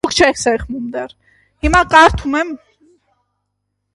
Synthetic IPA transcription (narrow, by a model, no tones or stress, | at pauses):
ukʰt͡ʃʰɛkʰsɛχmumd̪ɛr | himɑkɑɾt̪ʰumɛm